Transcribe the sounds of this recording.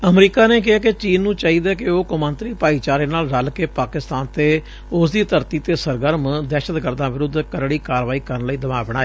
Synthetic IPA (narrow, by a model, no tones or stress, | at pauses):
əmɾiːkaːneːk̬ɪɦaːkɪt͡ʃiːnːũːt͡ʃaːɦiːd̪aːkɪoːkʊmənt̪ɾiːpaːiːt͡ʃaːɾeːnaːlɾəlkeːpaːkɪst̪aːnt̪eː | ʊsd̪iːt̪əɾt̪iːt̪eːsəɾɡəɾmd̪ɛːʃət̪ɡəɾd̪ãːʋɪɾʊd̪kəɾɽiːkaːɾʋaːiːkəɾənləiːd̪əmaːbəɽ̃aːeː